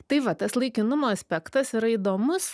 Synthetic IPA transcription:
t̪ɐɪʋɐt̪ɐslˠɐɪkʲɪnʊmoːɐsʲpʲɛkt̪ɐsiɾɐiːd̪oːmʊs

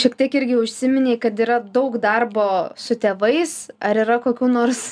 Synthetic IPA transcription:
ʃʲiɛkt̪ʲiɛkɪɾʲɡʲɪʊʃʲsʲɪmʲɪnʲeɪkɐt̪iːɾɐd̪ɐʊkd̪ɐrboːsʊt̪ʲeːʋɐɪsɐɾiːɾɐkoːkʲuːnoːrs

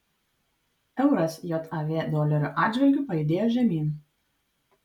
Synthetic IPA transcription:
ɛʊɾɐsjot̪ʰɐʋʲeːd̪ɔːlʲɛɾʲuʔɑːd̪ʲd͡ʒʲʋʲɛlʲɡʲuˑpɐɪd̪ʲeːjoːʒʲɛmʲiːn

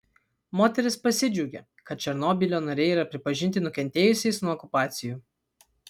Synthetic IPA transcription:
moːt̪ʲɛɾʲɪspɐsʲɪd͡ʒʲuɡʲḛ | kɐt̪̚t͡ʃʲɛɾnoːbʲɪlʲoːnɐɾʲɛɪiːɾɐpʲɾʲɪpɐʒʲɪnʲt̪ʲɪnʊkʲɛnʲt̪ʲeːjʊsʲɛɪsnuɔɔkʊpɑːt̪sʲɪjuː

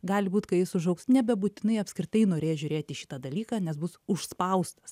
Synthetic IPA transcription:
ɡɑːlʲɪbuːt̪kɐɪjɪsʊʒɐʊksnʲɛbʲɛbuːt̪ʲɪnɐɪɐpʲsʲkɾʲɪt̪ɐɪnoːɾʲeːjʒʲʊɾʲeːt̪ʲɪʃʲɪ̥t̪ɐd̪ɐlʲiːkɑaːnʲɛsbʊsʊʃspɐʊst̪ɐs

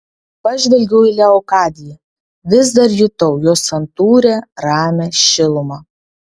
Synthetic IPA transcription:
pɐʒʲʋʲɛlʲɡʲɛʊiːlʲɛɔkɑːd̪ʲɪjɛ | ʋʲɪzd̪ɐɾjʊt̪ɐʊjoːsɐnt̪uːɾʲɛːɾɑːmʲɛːʃʲɪlˠʊmɑː

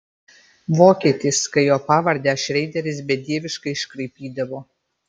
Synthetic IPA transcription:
ʋoːkʲiːt̪ʲiskɐɪjoːpɑːʋɐɾʲd̪ʲæːʃʲɾʲɛɪd̪ʲɛɾʲɪsbʲɛd̪ʲiɛʋʲɪʃkɐɪɪʃkɾɐɪpʲiːd̪ɐʋoː

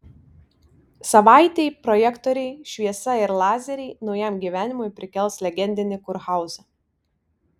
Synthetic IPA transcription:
sɐʋɑˑɪt̪ʲɛɪpɾɔjɛkt̪ɔɾʲɛɪʃʲʋʲiɛsɐɪɾlˠɑːzʲɛɾʲɛɪnɒʊjɛmɡʲiʋʲæːnʲɪmʊɪpʲɾʲɪkʲɛlˠslʲɛɡʲɛnʲd̪ʲɪnʲɪkʊɾxɑˑʊzɐ

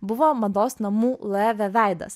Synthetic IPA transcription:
bʊʋoːmɐd̪oːsnɐmuːlˠɛʋʲɛʋʲæˑɪd̪ɐ̰s

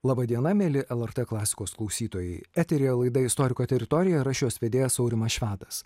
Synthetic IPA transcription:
lˠɑːbɐd̪ʲiɛnɐmʲeːlʲɪʔɛlˠɛɾt̪ɛklˠɑːsʲɪ̥koːsklˠɐʊsʲiːt̪oːjɛɪæt̪ʲɛɾʲeːjlˠɐɪd̪ɐɪst̪ɔːɾʲɪkoːt̪ʲɛɾʲɪt̪ɔɾʲɪjɛɾɐʃʲjoːsʋʲed̪ʲeːjɛsɒʊɾʲɪmɐʃʲʋʲæːt̪ɐs

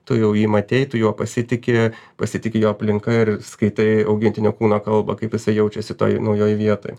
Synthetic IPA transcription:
t̪ʊjɛʊjiːmɐt̪ʲeɪt̪ʊjuɔpɐsʲɪt̪ʲɪkʲɪpɐsʲɪt̪ʲɪkʲɪjoːɐpʲlʲɪŋkɐɪɾskɐɪt̪ɐɪɐʊɡʲɪnʲt̪ʲɪnʲoːkuːnoːkɐlˠbɐ̰kɐɪpjɪsɐɪjɛʊt͡ʃʲɛsʲɪt̪o̰ːjnɐʊjoːjʋʲiɛt̪o̰ːj

